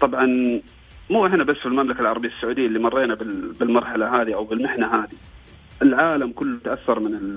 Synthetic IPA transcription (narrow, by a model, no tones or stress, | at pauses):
t̪ˤɑbʕɑn | muːɪħɪnabasːfɪlmamlakalʕɑɾˤɑbɪjːasːʊʕuːd̪ɪjːʔlːimɑrˤːeːnabɪbɪlmɑɾˤħalaɦaːðiʔawbɪlmɪħnaɦaːði | ʔɪlʕaːlamkʊlːt̪aʔaθːɑɾˤmɪnɪ